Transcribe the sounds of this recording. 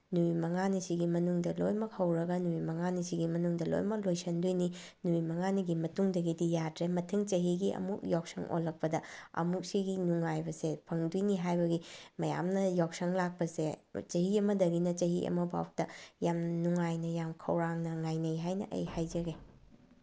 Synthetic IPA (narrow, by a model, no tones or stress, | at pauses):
nuimɐŋanisiɡimɐnuŋdɐlojmɐk̚hɐwɾɐɡɐnuimɐŋanisiɡimɐnuŋdɐlo̰jmɐk̚lojsɐndujni | nuimɐŋaniɡimɐtuŋdɐɡidijadɾemɐtʰɯŋt͡ʃɐɦiɡiɐ̰muk̚jɔk̚sɐŋʔo̰lːɐk̚pɐdɐɐ̰muk̚siɡinuŋajbɐsepʰɐŋdujniɦajbɐɡimɐja̰mnɐjɔk̚sɐŋlak̚pɐset͡ʃɐɦiɐmɐdɐɡinɐt͡ʃɐɦiʔɐ̰mɐba̰wk̚tɐjamnuŋajnɐjamkʰɐ̰wɾaŋnɐŋajnɐjɦajnɐ̰ʔɐ̰jhajd͡ʒɐɡe